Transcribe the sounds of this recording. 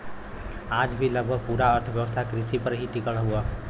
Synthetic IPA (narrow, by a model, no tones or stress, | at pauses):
ad͡ʒbʱiləɡ̚bʱəɡ̚puɾaəɾt̪ʰəʋjəʋəst̪ʰakɾisipəɾɦiʈikəɭɦuə